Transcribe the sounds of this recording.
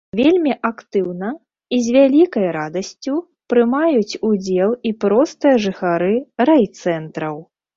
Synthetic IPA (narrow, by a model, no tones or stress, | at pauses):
vʲelʲmʲiʔakt̪ɨwnɐ | izʲvʲalʲikɐjɾad̪ɐsʲt͡sʲu | pɾɨmajut͡sʲud͡zʲɛlˠipɾɔst̪ɨjɐʐɨxaɾɨɾajt̪sɛnt̪ɾɐw